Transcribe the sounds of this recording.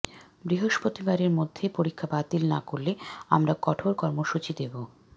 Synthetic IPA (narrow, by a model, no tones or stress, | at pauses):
bɾiɦoʃpot̪ibaɾeɾmod̪ʱːepoɾikʰːabat̪ilna̰koɾlːea̰mɾakɔʈʰoɾkɔɾmoʃut͡ɕid̪ebo